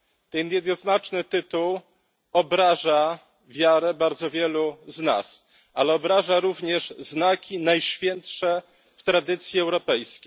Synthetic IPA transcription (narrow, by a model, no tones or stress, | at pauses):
t̪ɛnjɛd̪nɔznat͡ʂnɘt̪ɘt̪uw | ɔbɾaʐa | vʲjaɾɛbaɾd̪zɔvʲjɛluzna̰s | alɛɔbɾaʐaɾuvɲɛʐznakʲinajɕfʲjɛntʂɛ | ft̪ɾad̪ɘt̪sʲjiɛwɾɔpɛjskʲej